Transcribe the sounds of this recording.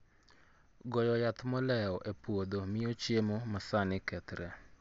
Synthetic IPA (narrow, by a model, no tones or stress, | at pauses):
ɡɔjɔjat̪mɔlɛɔʔepwod̪omɪot͡ʃemomasanɪkɛt̪ɾɛ